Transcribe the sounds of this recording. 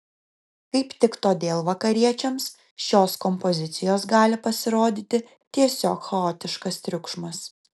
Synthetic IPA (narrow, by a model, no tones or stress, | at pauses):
kɐɪpt̪ʲɪkt̪oːd̪ʲeːlˠʋɐkɐɾʲiɛt͡ʃʲɛms | ʃʲoːskɔmpɔzʲɪt̪sʲɪjoːsɡɑːlʲɪpɐsʲɪɾoːd̪ʲiːt̪ʲɪ | t̪ʲiɛsʲoːkxɐoːt̪ʲɪʃkɐst̪ʲɾʲʊkʃmɐs